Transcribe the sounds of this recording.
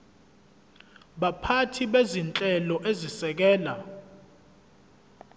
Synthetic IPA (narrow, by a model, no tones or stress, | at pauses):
ɓapʰatʰiɓezint͡ɬʼɛlɔʔezisɛk̬ɛːla